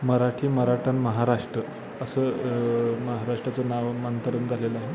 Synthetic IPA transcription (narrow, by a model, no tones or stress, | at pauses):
məɾaʈʰiːməɾaʈʰənməɦaɾaʂʈɾə | əsəː | məɦaɾaʂʈɾat͡sənaʋmənt̪əɾuːnd͡zʱalelaɦe